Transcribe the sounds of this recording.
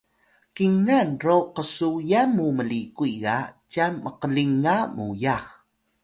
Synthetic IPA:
kiŋanroqəsujamuməlikuiɡacamːəqəliŋamujax

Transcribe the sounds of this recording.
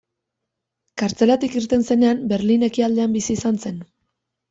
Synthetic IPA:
kaɾt͡se̞lat̪ikiɾt̪e̞nse̞ne̞ambe̞ɾline̞kiald̪e̞ambisiːsanse̞n

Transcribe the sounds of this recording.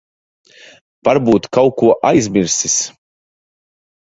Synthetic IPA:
v̥aɾbuːt̪kawkuɔʔajzʲmʲiɾsis

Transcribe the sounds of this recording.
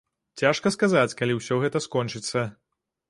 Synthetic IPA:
t͡sʲaʂkɐskazat͡sʲkalʲiwsʲɔɣɛt̪ɐskɔnt͡ʂɨt̪sːɐ

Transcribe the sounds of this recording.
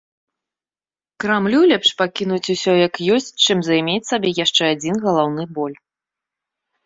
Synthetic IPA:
kɾamlʲulʲɛpʂpakʲinut͡sʲusʲɔjɐkjɔsʲt͡sʲt͡ʂɨmzajmʲet͡sʲsabʲɛjaʂt͡ʂɛad͡zʲinɣɐlˠawnɨbɔlʲ

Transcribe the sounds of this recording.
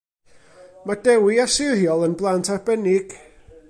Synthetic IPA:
madɛwiasɪrjɔlˠənblˠantʰarbɛnɪɡ̥

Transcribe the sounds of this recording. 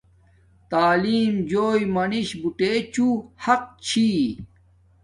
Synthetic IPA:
t̪aːliːmd͡ʑoːjmɐniɕbuʈeːt͡ɕuhɐq̚t͡ɕʰi

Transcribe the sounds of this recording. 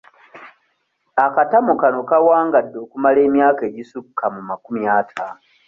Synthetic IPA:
akatamukano̞kawaːŋɡadːo̞ːkumale̞ːmjaːke̞ːɟisukʰːamumakumjaːtʰaːno

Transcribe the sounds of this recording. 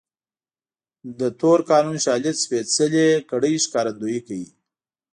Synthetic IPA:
d̪ət̪oɾkɑːnunʃɑːlɪt͡sfet͡səlekaɽəjʃkɑːɾand̪ojikaji

